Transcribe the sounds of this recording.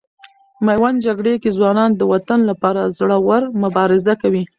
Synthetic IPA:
majwand͡ʒaɡɽekezwɑnɑnd̪əwat̪anlapɑɾazɽəwaɾmʊbɑɾɪzakawi

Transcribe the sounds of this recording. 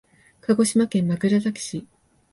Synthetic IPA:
kaɡo̞ɕimakẽmːakɯ̟ɾazakʲi̥ɕi

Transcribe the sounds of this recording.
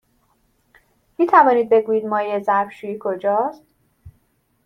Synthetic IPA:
miːt̪ʰævɒːnid̪̚be̞ɡuːjiːd̪mɒːjezæɾbʃujiːkʰo̞d͡ʒɒːst̪̚

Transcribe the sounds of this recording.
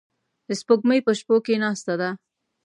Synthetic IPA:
əspoɡməjpəʃpokenɑst̪ad̪a

